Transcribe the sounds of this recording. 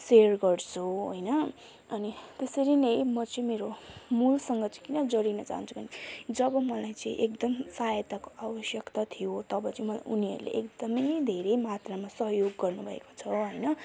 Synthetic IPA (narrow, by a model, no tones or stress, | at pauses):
serɡʌrt͡sʰuɦojnʌ | ʌnit̪esʌɾinʌjmʌt͡sʌĩmeɾomulsʌŋɡʌt͡sʌ̃ĩkinʌd͡zʌɾinʌt͡sa̰ɦṵnt͡sʰubʌnid͡zʌbʌmʌlajt͡sʌĩʔek̚d̪ʌmsajʌt̪akoʔawʌsjʌkt̪at̪ʰijot̪ʌbʌt͡sʌĩmʌla̰jʔuniʌ̰ɾulḛʔekd̪ʌmʌjd̪ʱeɾejmat̪ramasʌɦjoɡːʌrnubʱʌḛko̥t͡sʰʌɦʌjnʌ